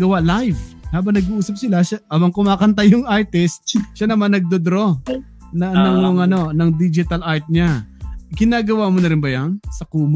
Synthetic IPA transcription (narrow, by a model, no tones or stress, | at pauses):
ɡɐwalajv | haːbɐŋnɐɡuʔuːsɐp̚sɪlaʃaʔaːbɐŋkʊmaːkɐnt̪ajːʊŋʔaɹt̪ɪst̪̚ʃanɐmanːɐɡ̚d̪od̪ɾo̞ | nɐnɐŋoŋɐno̞nɐŋd̪id͡ʒɪt̪ɐlʔaɹt̪̚ɲaɡɪnaːɡɐwaːmonɐɾɪnbɐjansɐkuːm